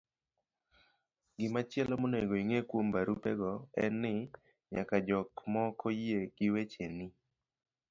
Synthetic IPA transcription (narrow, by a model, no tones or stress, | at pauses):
ɡɪmat͡ʃjɛlɔmoneɡoiŋekwombaɾupɛɡɔɛnɪ | ɲa̰kad͡ʒɔkmɔkʰojeɡ̥ɪwet͡ʃeni